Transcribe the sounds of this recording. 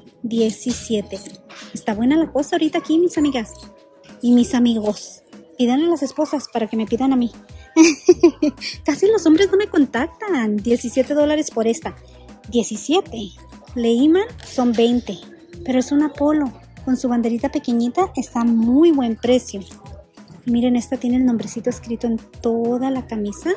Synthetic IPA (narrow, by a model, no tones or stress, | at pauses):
d̪je̞sisje̞t̪e̞est̪aβwe̞nalako̞saoɾit̪aːkimisamiɣas | imisamiɣo̞spiðanalase̞spo̞saspaɾake̞me̞piðanami | kasilo̞so̞mbɾe̞zno̞me̞ko̞nt̪ak̚t̪and̪je̞sisje̞t̪e̞ðo̞laɾe̞spo̞ɾe̞st̪a | d̪je̞sisje̞t̪e̞ | leimanso̞mbe̞jnt̪e̞ | pe̞ɾoesunapo̞lo̞ | ko̞nsuβ̞and̪e̞ɾit̪ape̞ke̞ɲit̪aʔe̞st̪amujβwe̞mpɾe̞sjo̞ | imiɾe̞ne̞st̪at̪jenelno̞mbɾesit̪oeskɾit̪o̞e̞nt̪o̞ðalakamisa